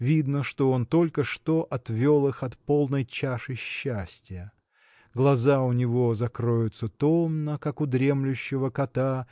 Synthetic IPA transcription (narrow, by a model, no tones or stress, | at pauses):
vʲid̪nəʂt̪o̞ont̪o̞lʲkəʂt̪o̞ʔɐt̪vʲo̞lˠɨxɐt̪polˠnəjt͡ɕaʂɨɕːæsʲtʲɪjə | ɡlˠɐzaʊnʲɪvo̞zɐkɾo̞jʊt̪sət̪omnəkakʊd̪ɾʲe̞mlʲʉɕːɪvəkɐt̪a